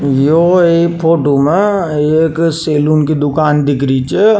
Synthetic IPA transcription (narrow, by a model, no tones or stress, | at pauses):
joeːkpʰoːʈomẽeːkseːluːnkid̪ʊkaːnd̪ɪkʰɾit͡ʃʰe